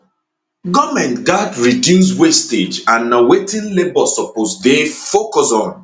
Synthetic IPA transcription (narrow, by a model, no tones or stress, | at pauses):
ɡɔmɛ̃ntɡadɹidjuswested͡ʒãnːawetɪ̃nlebɔsɔposdefokɔsɔ̃n